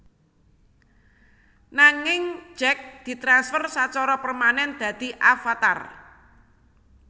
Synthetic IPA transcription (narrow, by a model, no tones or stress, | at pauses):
naŋɪŋ̥d͡ʒɛk̚d̪̥i̤t̪ɾansfərsat͡ʃɔɾɔpərmanɛnd̪̥ä̤d̪̥i̤ʔafat̪a̰r